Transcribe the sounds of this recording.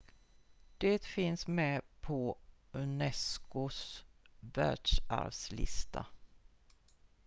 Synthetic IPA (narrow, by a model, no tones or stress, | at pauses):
d̪̥et̪fɪnsmɛpʰɔɵnɛskʊs | væ̰ːɖʂa̰ɾvslɪ̰st̪ʰa